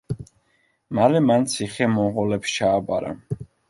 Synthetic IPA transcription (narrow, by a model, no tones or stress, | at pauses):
malɛmant̪sʰiχɛmɔʁɔlɛpst͡ʃʰaːbaɾa̰